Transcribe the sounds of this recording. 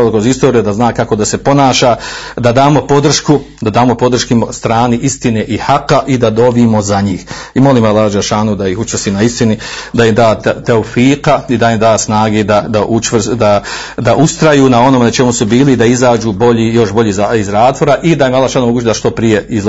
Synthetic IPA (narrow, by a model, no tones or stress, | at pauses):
lkɾozist̪o̞ːɾijud̪aznaːkako̞d̪ase̞po̞naːʃad̪ad̪aːmo̞po̞d̪r̩ʃkud̪ad̪aːmo̞po̞d̪r̩ʃkimost̪ɾaːniʔist̪ineʔihaqaʔid̪ad̪o̞biːmo̞zaɲiːx | imo̞liːmalːad͡ʒʃaːnud̪ajixut͡ʃʋrsiːnaist̪inid̪aimd̪aːt̪oufiːqaid̪ajimd̪aːsnaːɡeːd̪ad̪aʔut͡ʃʋrd̪a | d̪aʔust̪ɾajuːnao̞noːmenat͡ʃe̞musubiːliːd̪aizaːd͡ʒuːbo̞ʎiːjo̞ʃbo̞ʎiːzaizɾaːt̪ʋo̞ɾaʔid̪ajimalːˠaːʃaːnumoɡuːt͡ʃd̪aʃt̪o̞pɾije̞iz